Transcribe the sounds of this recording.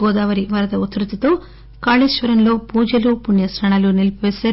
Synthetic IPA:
ɔːd̪aːʋɐɾiʋɐɾɐd̪ɐut̪ɾit̪it̪o̞ː | kaːɭiʃʋɐɾɐmlo̞ːpuːd͡ʒɐlupuɳjɐsɾɐɳaːlunilpʋɛːsɐː

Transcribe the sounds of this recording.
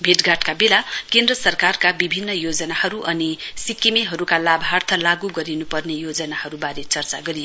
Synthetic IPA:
bʱeʈɡaʈkabelakend̪rʌsʌrkarkabibʱinːʌjod͡zʌnahʌɾuʔʌnisikːimeɦʌɾukalabʱɦart̪ʰʌlaɡuɡʌɾinupʌrnejod͡zʌnahʌɾubaɾet͡sʌrt͡sa̰ɡʌɾijo

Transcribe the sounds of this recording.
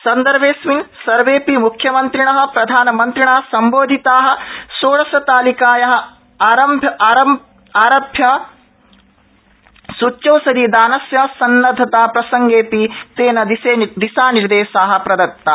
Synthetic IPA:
sɐnd̪ɐɾʋeːsʋinsɐɾʋeːpimukʰjɐmɐnt̪ɾiɳɐɦɐ̆pɾɐd̪ʱaːnɐmɐnt̪ɾiɳaːsɐmboːd̪ʱit̪aːɦɐ̆soːɭɐsɐt̪aːlikaːjɐɦɐ̆ | aːɾɐmbʱɐɾɐm | aːɾɐbʱjɐ | sut͡ʃːt͡ʃɐwsɐd̪id̪aːnɐsjɐsɐnːɐd̪ʱɐt̪aːpɾɐsɐŋɡeːpit̪eːnɐd̪iseːd̪isaːniɾd̪eːʃaːɦɐ̆pɾɐd̪ɐk̚t̪ːa

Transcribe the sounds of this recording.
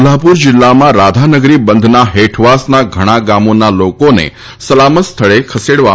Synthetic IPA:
lapuɾd͡ʒɪlːamãɾad̪ʱanəɡɾibənd̪ʱnaɦeʈʰʋasnaɡʱəɽ̃ãɡamonalokonḛ | səlamət̪st̪ʰəɭekʰəseɽʋa

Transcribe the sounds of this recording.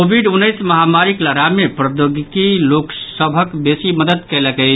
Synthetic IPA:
kobʱiɖunːəɪsməɦamaɾikləɾamepɾəd̪joɡikiloksəbʱəkbesiməd̪əd̪kɛləkɛ

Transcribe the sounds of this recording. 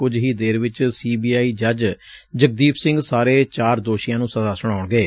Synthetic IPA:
kʊd͡ʒɦiːd̪eːɾʋɪt͡ʃsiːbiːaːiːd͡ʒəd͡ʒ | d͡ʒək̚d̪iːpʰsɪ̃ŋɡsaːɾeːt͡ʃaːɾd̪oːʃijãːnũːsəzaːsʊɽ̃aːʊɳɡeː

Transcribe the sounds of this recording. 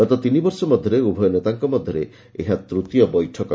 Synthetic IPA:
ɔt̪ɔt̪inibɔɾsɔmɔd̪ʱjɔɾeubʱɔjɔnet̪aŋkɔmɔd̪ʱjɔɾe | eɦat̪ɾut̪ijɔbɔjʈʰɔkɔ

